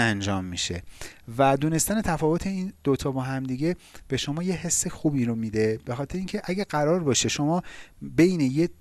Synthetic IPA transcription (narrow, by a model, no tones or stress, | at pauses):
ænd͡ʒɒːmːiʃe̞̰væd̪uːne̞st̪æne̞t̪ʰæfɒːvo̞t̪ʰe̞iːnd̪̥ot̪ʰɒːbɒːɦæmd̪iɟe̞b̥e̞ʃo̞mɒːje̞ɦe̞sːe̞xuːbiɾo̞miːd̪e̞b̥e̞xɒːt̪ʰeɾeiːŋcʰeʔæɟæɡæɾɒːɾbɒːʃeʃo̞mɒːbe̞jneje